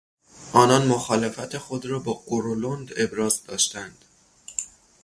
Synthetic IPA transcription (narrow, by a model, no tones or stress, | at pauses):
ʔɒːnɒnmoxɒːlefæt̪ʰexo̞d̪ɾɒːbɒːʔoɾolond̪e̞bɾɒːzd̪ɒːʃt̪ænd̪̥